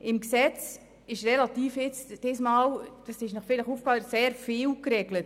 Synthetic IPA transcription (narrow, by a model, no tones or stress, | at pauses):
ʔɪmksɛt͡s | ɪʃrelatiːfɪt͡sd̥ɪsmɑːld̥ɑsɪʃnɔχfɪləχuːfkɑseːɾfiːlkreɡlət